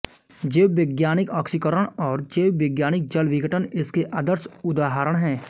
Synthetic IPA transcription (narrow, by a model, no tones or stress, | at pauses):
d͡ʒeːwʋɪɡjaːnɪkɔːkʃikəɾəɽ̃ɔːɾd͡ʒeːwʋɪɡjaːnɪk̚d͡ʒəlʋɪɡəʈənɪskeʔəd̪əɾsʊd̪aːɦaːɾəɽ̃ɦɛ̃ː